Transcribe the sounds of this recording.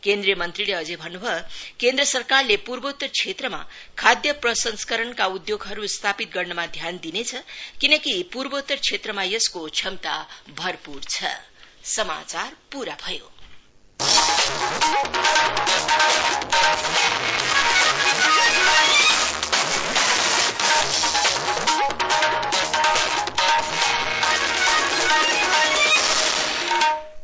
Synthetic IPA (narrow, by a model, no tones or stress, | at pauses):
kend̪rijʌmʌnt̪rileʌd͡zebʱʌnːubʱʌkend̪rʌsʌrkarlepurbʌut̪ːʌrt͡sʰet̪rʌma̰ | kʰad̪jʌprʌsʌnskʌɾʌnkaud̪joɡɦʌɾust̪ʰapit̪̚ɡʌrnʌmad̪ʱjand̪inet͡sʰʌkinʌkipurbot̪ːʌrt͡sʰet̪rʌmajʌskot͡sʰʌmt̪a̰bʱʌrpurt͡sʰʌ̰sʌma̰t͡sarpuɾabʱʌjo̰